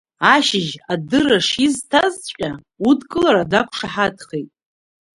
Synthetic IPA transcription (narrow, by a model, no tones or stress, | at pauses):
aʃɪʒadɨɾaʂiztʰazʷʼa | udkʼɨlaɾadakʷʰʂaħadχejtʼ